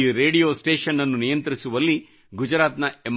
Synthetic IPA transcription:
ɾe̞ːɽijoːsʈe̞ːʃɐnːɐnːunijɐnt̪ɐɾisuʋɐlːi | ɡud͡ʒɐɾaːt̪nɐem

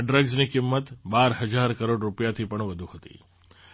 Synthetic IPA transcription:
ɖɾəɡznikɪmːət̪baɾɦəd͡ʒaɾkəɾoɖɾupjat̪ʰipəɳʋəd̪ʱuhət̪ḭ

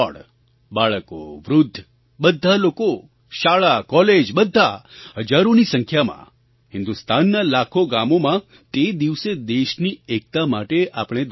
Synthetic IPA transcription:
ɽ | baɭəko̰ʋɾʊd̪ʱː | bəd̪ʱːaloko | ʃaɭakɔled͡ʒbəd̪ʱːaɦəd͡ʒaɾonisəŋkʰjamã̰ | hɪnd̪ust̪anːalakʰoɡamomã | t̪ed̪iʋsed̪eʃniek̚t̪amaʈeʔapɽ̃ed̪

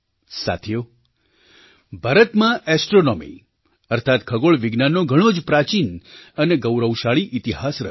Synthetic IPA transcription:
sa̰t̪ʰijo | bʱaɾət̪mãʔɛsʈɾonɔmḭ | əɾt̪ʰat̪kʰəɡoɭʋiɡnanːoɡʱəɽ̃od͡ʒpɾat͡ʃinəneɡəwɾəwʃaɭiʔit̪iɦasɾə̰

